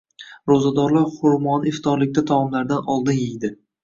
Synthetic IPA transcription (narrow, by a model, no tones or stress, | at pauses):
ɾozad̪ɒɾlaɾχʊɾmɒnɪft̪ʰɒɾlɪk̚ʲt̪at̪ʰamɒmlaɾd̪anɒlˠd̪ɪnjejd̪ɪ